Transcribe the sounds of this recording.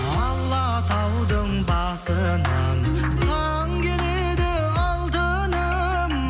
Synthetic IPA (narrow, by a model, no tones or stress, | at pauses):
ɑlˠːɑ | t̪ʰɑwd̪əɴbɑsə | nɑɴ | t̪ʰɑ | ŋkʲele | d̪ɪ | ɑlˠd̪ə | nə | m